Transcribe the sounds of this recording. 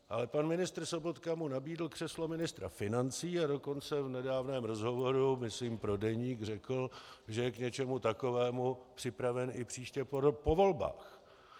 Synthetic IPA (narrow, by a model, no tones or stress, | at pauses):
ʔalɛpanmɪnɪst̪r̩so̞bo̞t̪kamunabiːdl̩kr̥ɛslo̞mɪnɪst̪ɾa̰fɪnant͡siːado̞kont͡sɛvnɛdaːvnɛːmɾo̞zɦo̞vo̞ɾumɪsliːmpɾo̞dɛɲiːɡr̝ɛkl̩ʒɛjɛkɲɛt͡ʃɛmut̪ako̞vɛːmupr̝̥ɪpɾavɛnɪpr̝̥iːʃcɛpo̞vo̞lba̰ːx